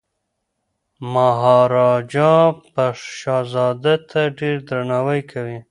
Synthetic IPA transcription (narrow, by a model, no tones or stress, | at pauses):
maɦɑɾɑd͡ʒɑ̃paʃɑzɑd̪at̪ʰaɖeɾd̪ɾanɑwəjkʰawi